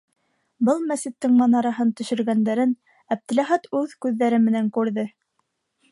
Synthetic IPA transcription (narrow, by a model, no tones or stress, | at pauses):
bɤlˠmæsɘ̆t̪ːɘŋmɑnɑɾɑɦɤnt̪ɵ̆ʃɵ̆ɾɡænd̪æɾɘn | æb̚t̪ɘ̆læχæt̪ʉðkʉðːæɾɘmɘ̆næŋkʉɾðɘ